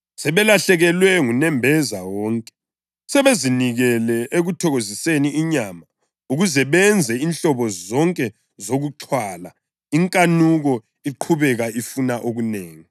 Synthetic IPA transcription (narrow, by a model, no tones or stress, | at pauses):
sɛβɛlaɬɛɣɛlwɛŋunɛmbʱɛzawɔːŋkʼɛ̥ | sɛβeziniɣɛlɛʔeɣutʰɔɣoziseniʔiɲaːma | uɣuzɛβɛnd͡zʱɛinɬɔβɔzɔŋkʼɛ | zoɣuǃʰwala | iŋkʼanuɣɔ | iǃʰuβɛɣaʔifunaʔoɣuneːŋi